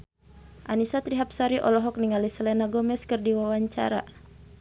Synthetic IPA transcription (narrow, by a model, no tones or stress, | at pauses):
ʔanisat̪ɾiɦap̚saɾiʔɔ̰lɔɦɔk̚niŋalisəlɛnaɡɔmɛskərdiwawaɲt͡ʃa̰ɾa̰